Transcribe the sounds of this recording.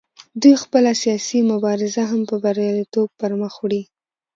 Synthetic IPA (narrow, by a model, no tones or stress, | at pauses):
d̪ujxpəlasijɑsimʊbɑɾɪzaɦampəbaɾjɑlit̪ob̚pəɾməxwɽi